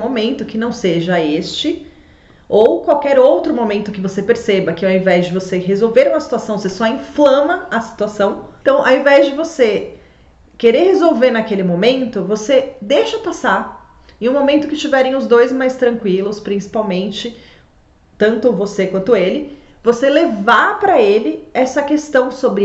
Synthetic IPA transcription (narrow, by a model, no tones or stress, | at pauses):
momẽnt̪ʊkɪnɐ̃w̃seʒɐest͡ʃɪ | owkwawkɛɾowt̪ɾʊmomẽnt̪ʊkɪvosepeɾsebɐkɪɛwɐẽvɛzd͡ʒɪvoseɦezowveɾũmɐsi̥t̪uasɐ̃w̃vosesɔĩflɐ̃mɐɐsi̥t̪uasɐ̃w̃t̪ɐ̃w̃ʔɐ̰wẽvɛzd͡ʒɪvose | keɾeɾhezowveɾnɐkelɪmomẽnt̪ʊvosed̪eʃɐpasaɾ | ẽj̃ũmomẽnt̪ʊkɪst͡ʃivɛɾẽj̃ʊzd̪ojzmajst̪ɾɐ̃ŋkwilʊspɾĩsi̥pawmẽnt͡ʃɪ | t̪ɐ̃nt̪ʊvosekwɐ̃nt̪ʊelɪ | voselevaɾpɾɐelɪɛsɐkest̪ɐ̃w̃sobɾɪ